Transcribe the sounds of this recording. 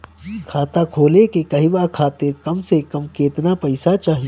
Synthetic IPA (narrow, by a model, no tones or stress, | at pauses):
kʰaːt̪akʰoːlekekɐɦiʋakʰaːt̪ɪɾkɐmsekɐmkeːt̪napɐɪsat͡ʃaːɦi